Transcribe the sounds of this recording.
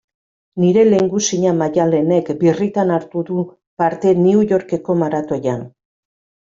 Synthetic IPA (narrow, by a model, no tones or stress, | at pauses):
niɾe̞le̞ŋɡusiɲamaʝale̞ne̞kbirit̪anaɾt̪uðu | paɾt̪e̞niuʝo̞ɾke̞ko̞maɾat̪o̞jan